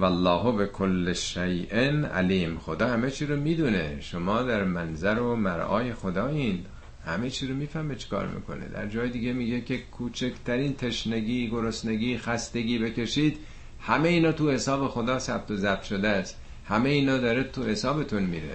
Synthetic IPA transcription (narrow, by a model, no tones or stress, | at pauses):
vælːɒːɦobekʰolːeʃæjʔenæ̰liːmxod̪ɒːhæmet͡ʃʰiːɾomiːd̪unḛʃomɒːd̪æɾmænzæɾomæɾʔɒ̰ːje̞xod̪ɒːiːnd̪̥ | hæme̞t͡ʃʰiːɾomiːfæhmet͡ʃʰe̥kʰɒ̰ːɾmḭːkʰo̞̰nḛd̪æ̰ɾd͡ʒɒːjed̪iːɡʲemiːɟekʲʰe̞kʰuːt͡ʃʰekʰt̪ʰæɾiːnt̪ʰeʃneɡiːɡoɾosne̞ɡiːxæst̪e̞ɡiːbe̞ke̞ʃiːd̪̥ | hæme̞iːnɒːt̪uhe̞sɒːbe̞xo̞d̪ɒːsæb̥̚t̪ʰozæb̚t̪ʃod̪æst̪ | hæmejiːnɒːd̪ɒːɾed̪̚t̪ʰuhe̞sɒːbe̞t̪ʰunmiːɾḛ